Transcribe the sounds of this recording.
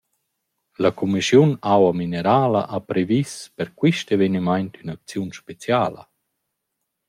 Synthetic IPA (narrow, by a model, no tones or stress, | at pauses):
lakʰumisjunawamineɾaːla̰ʔapɾevispɛɾkwiʃtevenimajntynak̚t͡sjunʃpet͡sjaːlə̰